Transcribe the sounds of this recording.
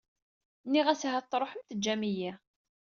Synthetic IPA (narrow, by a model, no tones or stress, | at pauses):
nːiʁæsɦæt̪ˤːɾˤoħəmθəd͡ʒːæmijæ